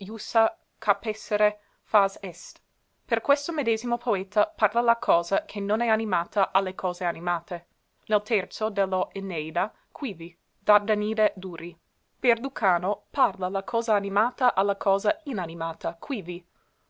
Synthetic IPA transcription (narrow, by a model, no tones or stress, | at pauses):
jusa | kʰapɛsːeɾe | fazɛst̪ | perkwest̪omed̪eːzimopʰoeːt̪aparlalakʰɔːzakʰenonɛanimaːt̪aʔalːekʰɔːzeanimaːt̪e | nelt̪ɛrt̪sod̪elːoʔenejd̪a | kʰwiːvi | d̪ard̪aniːded̪uːɾi | b̥erd̪ukʰaːnoparlalakʰɔːzaːnimaːt̪aʔalːakʰɔːzainanimaːt̪akʰwivi